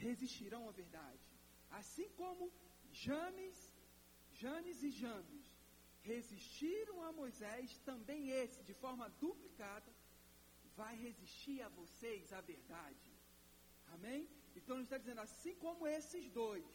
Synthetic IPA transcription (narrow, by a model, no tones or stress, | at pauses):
heziʃt͡ʃiɾɐ̃w̃ɐveɾd̪ad͡ʒɪ | asĩkõmʊ | ʒɐ̃mis | ʒɐ̃mizɪʒɐ̃mɪs | heziʃt͡ʃiɾɐ̃w̃amojzɛst̪ɐ̃mbẽj̃esɪd͡ʒɪfɔɾmɐd̪uplikad̪ɐ | vajheziʃt͡ʃiɾavosejzaveɾd̪ad͡ʒɪ | amẽj̃ | ẽt̪ɐ̃w̃ĩʃt̪ad͡ʒizẽnd̪asĩkõmʊesɪzd̪ojs